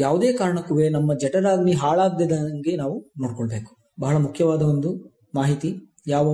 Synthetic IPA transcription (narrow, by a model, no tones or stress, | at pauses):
jaːʋud̪eːkaːɾɐɳɐkːuʋeːnɐmːɐd͡ʒɛʈɐɾaːɡniɦaːɭaːɡd̪ed̪ɐŋɡe̞naːʋunoːɽkoɭɐbeːku̥ | bɐɦɐɭɐmukʰjɐʋaːd̪ɐond̪u | maːɦit̪i | jaːʋɐ